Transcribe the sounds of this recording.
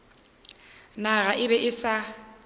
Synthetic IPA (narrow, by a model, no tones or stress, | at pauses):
naɣaʔɪbɛʔɪsa